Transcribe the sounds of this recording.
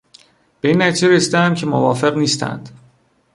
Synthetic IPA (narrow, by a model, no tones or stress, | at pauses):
b̥e̞iːnːæt̪ʰizeɾesiːd̪ææmcʰemovɒːfe̞ɣniːst̪ʰæ̰nd̪̥